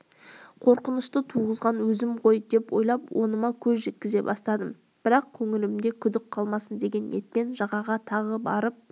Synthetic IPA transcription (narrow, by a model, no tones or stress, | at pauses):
qʰo̞ɾqənəʃt̪ət̪ʰuʁəzʁɑnwɵzɪmʁo̞jd̪e̞pwo̞̰jlˠɑpwo̞nəmɑkʲʰɵzʒe̞t̪̚kʲɪze̞̰bɑ̰st̪ɑd̪əm | b̥ɪɾɑq̚kʲʰɵŋɪlɪmd̪e̞kʲʰʏd̪ɪk̚qʰɑlˠmɑsənd̪e̞ɡʲe̞nːe̞t̪̚pe̞nʒɑʁɑʁɑt̪ʰɑʁəbɑɾəp̚